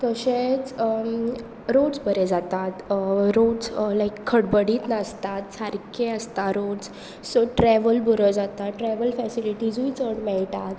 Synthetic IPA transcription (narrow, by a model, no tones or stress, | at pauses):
k̪əɕet͡s | ɾoɖd͡zbəɾed͡zat̪at̪ɾoɖd͡zlajkʰːəɽbəɽiːt̪nast̪at̪saɾkʰẽəst̪aɾoɖs | səʈɾɛʋəlbuɾəd͡zat̪aʈɾɛʋəlfɛsiliʈid͡zũit͡səɽmɛɭʈ̪at̪